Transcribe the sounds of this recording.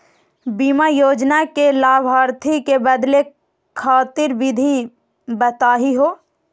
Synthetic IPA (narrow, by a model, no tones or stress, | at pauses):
biːmajoːd͡ʒnakelaːbʱaːɾt̪ʰikebəd̪le | kʰaːt̪ɪɾʋɪd̪ʱi | bət̪aːɦiɦoː